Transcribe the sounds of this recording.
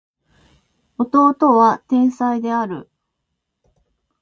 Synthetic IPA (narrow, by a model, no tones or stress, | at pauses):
o̞t̪o̞ːt̪o̞βat̪ẽ̞ɰ̃said̪e̞aɾɯ̟̰